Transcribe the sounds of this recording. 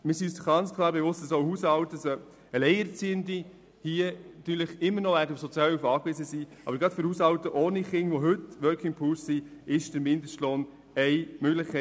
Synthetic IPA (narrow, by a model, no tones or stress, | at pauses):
mɪɾsiysχɡ̥ɑnt͡skʰlˠɑːɾbeʋʊstdəsohuːsɑwtəsɔ | əlɛɪɛɾt͡siːəndi | hiənɑt̪yːɾləχɪmːəɾnɔʋæːɾdəufsɔt͡sjɑːlufɑːkʋɪzəsiʔɑ̰bəɾɡɾɑtfʏɾhusɑwt̪əʔoːniχɪŋʋoɦɵtʋœɾkʰɪŋpʰuːssiɪʃdəɾmɪndəʃtloːn | ɛɪmøɡlɪχkʰɛ